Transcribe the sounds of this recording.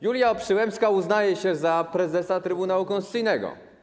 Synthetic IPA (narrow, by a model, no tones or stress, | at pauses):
julʲjaɔpʂɘwɛmpskauznajɛɕɛzapɾɛzɛsat̪ɾɘbunawukɔ̃nst̪sɘjnɛɡɔ̰